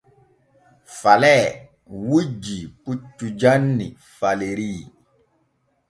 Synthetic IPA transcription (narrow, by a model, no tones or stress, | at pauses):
falɛ | wud͡ʒiput͡ʃːud͡ʒanːi | faleɾi